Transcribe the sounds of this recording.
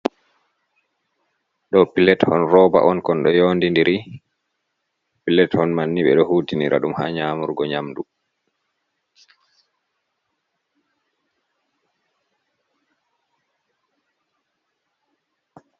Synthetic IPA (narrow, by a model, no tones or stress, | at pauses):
ɗɔpilɛthɔnɾɔːba̰ʔɔnkɔnɗɔjoːndindiɾi | pilɛthɔnmanːiɓɛɗɔhuːtiniɾa̰ɗumha̰ɲaːmuɾɡɔɲamdu